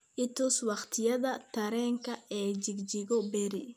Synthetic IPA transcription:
ʔɪt̪ʊswɑχt̪ʰɪjɐðɐt̪ʰɐɾɛːŋkʰɐɛːt͡ʃɪɡd͡ʒɪɣɔbɛɾɪ̰

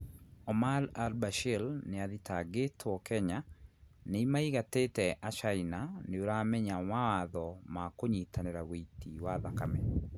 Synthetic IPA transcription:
ɔmalalbaʃɛlnɪaðitʰaɡetʰɔkɛɲaneimaiɣatetɛʔat͡ʃainaneoɾamɛɲaɔwawaðɔmakoɲitʰanɛɾaweitiwaðakamɛ

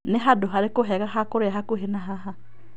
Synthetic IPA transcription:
neɦadoɦaɾekoɦɛɣaɦakoɾeahakoɦenaɦaɦa

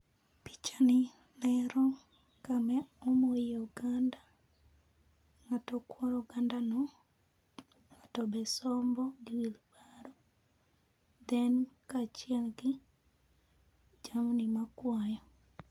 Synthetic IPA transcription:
pi̥t͡ʃani | nɛɾɔ | kamɛomojeuɡanda | ŋatɔkwɔɾouɡandanɔ | ŋatɔbɛsɔmbɔɡiwilibaɾɔ | d̪ɛnkat͡ʃiaɡi | d͡ʒamunimakwajɔ

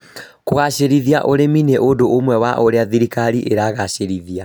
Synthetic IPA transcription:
koɣaɕeɾiðiaʔoɾemineʔodoomwɛwaʔoɾeaðiɾikaɾiʔeɾaɣaɕeɾiðia

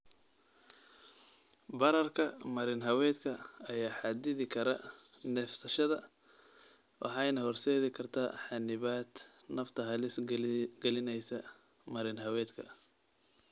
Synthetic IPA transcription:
bɐɾɐrkʰɐmɐɾɪnɦɐwɛːd̪kʰɐɐjaːħɑd̪ɪðɪkʰɐɾɐ | nɛfsɐʃɐðɐ | wʔɑ̰ħɑjnɐhɔrsɛːðɪkʰɐrt̪ʰa̰ːħɑnɪβaːd̪ | nɐft̪ʰɐɦɐlɪsɡɛlɪnɛjsɐ | mɐɾɪnɦɐwɛːd̪kʰɐ̰

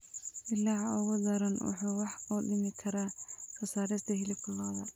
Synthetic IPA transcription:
ʔɪlːaːʕɔwʊðɐɾɐnwʊ̰ħuwɑħuːɗɪmɪkʰɐɾakʰɐsaːɾɪst̪ʰɐɦɪlɪkʰʊlɔːðɐ

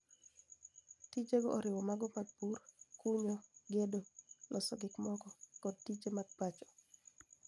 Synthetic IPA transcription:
tit͡ʃeɡɔʔɔɾɪwɔmaɡɔpaɡ̚purkuɲɔɡedolʔɔsɔɡɪkmɔkɔkɔd̚tid͡ʒemaɡ̚pat͡ʃɔ̥

